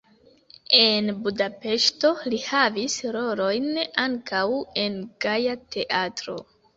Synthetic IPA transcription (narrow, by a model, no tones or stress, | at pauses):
e̞nbudape̞ʃto̞lihavisɾo̞ɾo̞jnaŋkʰawe̞nɡajatʰe̞ʔatɾo̞̰